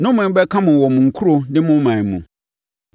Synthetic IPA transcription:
nʊ̃˦mʊ̃˨˦bɛ˦kʰã˦mʊ̃˨wɔ˨mʊ̃˨ŋ̩˨kʰu˦ɾo˨nɪ̃˦mʊ̃˦mã˨mṵ̃˨

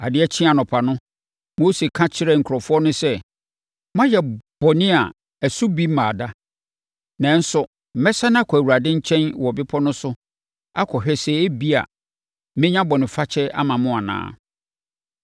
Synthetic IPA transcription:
a˨dɪ˨˦ɛ˦t͡ɕʰĩ˦a˨nʊ̃˨pʰa˨nʊ̃˦ | mo˦se˨kʰã˦t͡ɕʰɪ˦ɾɛ˦˨ŋ̩˨kʰɔ˨fʊ˦ɔ˦nʊ̃˦sɛ˦˨ | mã˦jɛ˨b̥ɔ˨nɪ̃˦a˨ | æ˨su˦bi˦mã˨da˦ | nã˨n̩˦sʊ˨ | mɛ˦sa˦nã˦kʷʰɔ˨æ˨wu˨a˨dɪ̃˦ɲ̩˦t͡ɕʰɛ̃˦nwɔ˨bɪ˦pʰɔ˦nʊ̃˦sʊ˦ | a̰˦kʰɔ˨ɕᶣɛ˦sɛ˨e˦bi˦a̰˨ | mɪ̃˦ɲã˦bɔ˨nɪ̃˨fa˦t͡ɕʰɛ˦a̰˦mã˨mʊ̃˦a˨nã̰ː˦

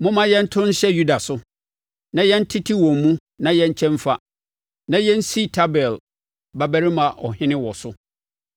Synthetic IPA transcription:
mʊ̃˦mã˦jɛ̃˦n̩˦tʰʊ̃˦n̩˦ɕɛ˦ju˦da˨sʊ˦ | nã˨jɛ̃˦n̩˦tʰi˦tʰi˦wɔ̃˨m̩˨mũ˦ | nã˨˦jɛ̃˦ɲ̩˦t͡ɕʰɛ̃˦ɱfa˦ | nã˨jɛ̃˦n̩˦si˦˨tʰa˦bɛ˨l | ba˨bæ˦ɾɪ˦mã˨ʔɔ̰˨hɪ̃˦nɪ̃˦wɔ˨sʊ˦

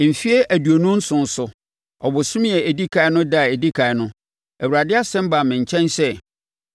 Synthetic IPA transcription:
m̩˨fi˦e˦ʔæ˨du˨o˨nʊ̃˦n̩˦sʊ̃˨n̩˦sʊ˨ | ɔ˨bʊ˨sʊ̃˦m˦ɛ˨æ˨di˦kʰa˨ɪ˦nʊ̃˦da˦˨ɛ˨di˦kʰa˨ɪ˨nʊ̃˦ | æ˨wu˨ɾa˨dɪ˦a˦sɛ̃˦m˦ba˨mɪ̃˨ɲ˨t͡ɕʰɛ̃˦nsɛ˦

